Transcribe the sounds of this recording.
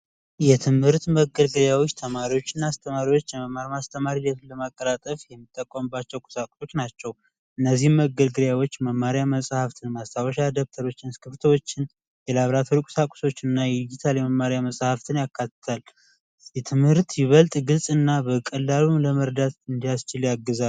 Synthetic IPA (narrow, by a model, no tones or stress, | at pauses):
jɛt̪ʰɨmhɨɾt̪məɡəlɡɨɾjawot͡ʃːt̪ʰəmaɾiwo̞t͡ʃːɪnːaast̪ʰəmaɾiwot͡ʃːjɛməmːaɾmast̪ʰəmaɾilət̪ɨnləmakʼːəɾat̪ʼəfjɛmːɨt̪ʼːəkʼːəmɨbːat͡ʃːɛwkʼʊ̥sakʷʼʊso̞t͡ʃːnat͡ʃːɛw | ʔɨnːəzːihməɡəlɡɨɾjawo̞t͡ʃːməmːaɾjaməsʼhaft̪ʰɨnmast̪ʰawəʃad̪əβt̪ʰəɾo̞t͡ʃːɪnɨskɨft̪ʰəwo̞t͡ʃːɪn | jɛlaβɾat̪ʰoɾikʼu̥sakʼʊ̥so̞t͡ʃːɨnːajɛd̪id͡ʒit̪ʰaljɛməmːaɾjaməsʼhaft̪ʰɨnjakʰːat̪ːə̥t̪ʰal | jɛt̪ʰɨmhɨɾt̪jɪβəlt̪ʼɡɨlsʼɨnːabəkʼəlːalumləməɾd̪at̪ɨnd̪ijast͡ʃɪljaɡːəza